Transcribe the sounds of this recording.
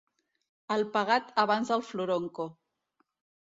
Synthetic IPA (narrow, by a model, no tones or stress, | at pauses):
əlpaɣat̪aβ̞anzəlfluɾoŋko